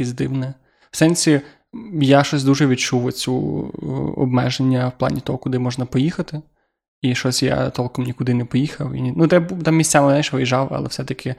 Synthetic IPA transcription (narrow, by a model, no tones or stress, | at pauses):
izʲd̪ɪwnɛ | wsɛnʲsʲi | jaʃɔsʲd̪uʒɛʋʲidt͡ʃuwɔt͡sʲu | ɔ̰bmɛʒenʲːɐwplˠɑ̰nʲit̪ɔɦɔkʊd̪ɪmɔʒnɐpɔjixɐt̪ɪ | iʃɔsʲja̰t̪ɔlˠkɔmnʲikʊd̪ɪnɛpɔjixɐwḭnʲnud̪ɛbt̪amʲisʲt͡sʲamɪzajʃʋɪjʒɑwɐ̰lˠɛ̰fsɛt̪ɐkʰɪ